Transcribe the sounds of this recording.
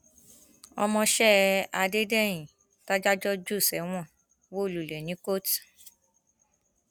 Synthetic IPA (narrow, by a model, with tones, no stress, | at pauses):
ɔ˧mɔ̃˧ʃɛ˦a˧de˦dɛ˦˨j̃ĩ˨ | ta˦d͡ʒa˦d͡ʒɔ˦d͡ʒu˦˨sɛ˨˦w̃ɔ̃˦˨ | wo˦˨lu˨lɛ˨nĩ˨˦ko˦t